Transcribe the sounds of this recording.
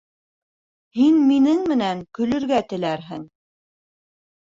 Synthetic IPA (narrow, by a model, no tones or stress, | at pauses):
hinminɘŋmɘ̆næŋkɵ̆lɵ̆ɾɡæt̪ɘ̆læɾɦɘ̰ŋ